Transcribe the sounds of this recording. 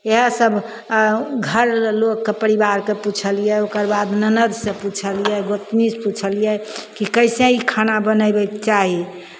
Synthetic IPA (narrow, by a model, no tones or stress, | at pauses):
eɦəsəbʱ | ɡʱəɾlokːepəɾibaɾkeput͡ʃʰəlijɛokəɾbad̪nənəd̪sẽput͡ʃʰəlijɛɡot̪misput͡ʃʰəlijɛkikəjsẽikʰanabənəjbɛkt͡ʃaɦi